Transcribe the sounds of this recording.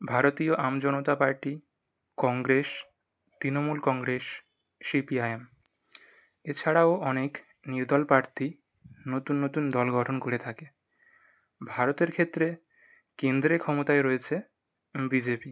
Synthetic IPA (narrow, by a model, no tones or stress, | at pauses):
bʱaɾot̪ioʔamd͡ʑɔnot̪apaɾʈi | kɔŋɡɾeʃ | t̪ɾinomulkɔŋɡɾeʃː | ipiajem | et͡ɕʰaɽaoʔɔnek | niɾd̪ʱɔlpɾaɾt̪ʰi | not̪unːot̪und̪ɔlɡʱɔʈʰonkoɾet̪ʰake | bʱaɾot̪eɾkʰet̪ːɾe | kend̪ɾekʰɔmot̪aeɾɔet͡ɕʰe | bid͡ʑepi